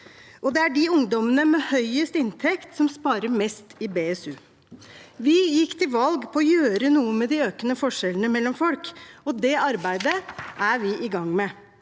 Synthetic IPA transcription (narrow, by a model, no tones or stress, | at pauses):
ʔɔd̪ɛæɖɪʊŋd̪ɔmənəmɛhœʏəst̪ɪnt̪ʰɛkt̪sɔmspɑːɾəɾmɛst̪ɪbeːɛsʉː | ʋɪjɪkːt̪ʰɪlʋɑlɡpʰɔɔjøːɾənuːəmɛd̪ɪøːkənəfɔʂɛlənəmɛlːɔmfɔlkɔd̪ɛɑɾbæɪd̪əʔæʋɪʔɪɡɑŋːmɛ